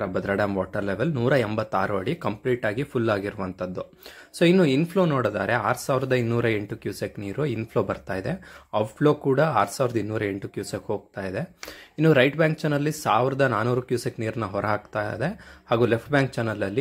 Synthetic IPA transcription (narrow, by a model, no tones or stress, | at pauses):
ɾɐbɐd̪ɾɐɽɐmʋaːʈɐɾleʋelnuːɾɐembɐt̪ːaːɾuɐɽikɐmpliːʈaːɡipʰulːaːɡiɾuʋɐnt̪ʰɐd̪ːu | soːinːuinpʰlo̞ːnoːɽd̪aːɾe̞aːɾusaːʋɾɐd̪ɐinːuːɾɐe̞ɳʈukjuːsekniːɾuinpʰlo̞ːbɐɾt̪aːjd̪e̞aːpʰlo̞ːkuːɽɐaːɾsaːʋɾɐd̪ɐinːuːɾɐe̞ɳʈukjuːsekɦo̞ːɡ̚t̪aːjid̪e̞inːuɾɐjʈbjaːŋk̚t͡ʃɐnːɐlːisaːʋɾɐd̪ɐnaːnuːɾukjuːsekniːɾɐnːɐɦɔɾɐɦaːkt̪aːd̪e̞haːɡuːlepʰʈbjaːŋk̚t͡ʃɐnːɐlɐlːi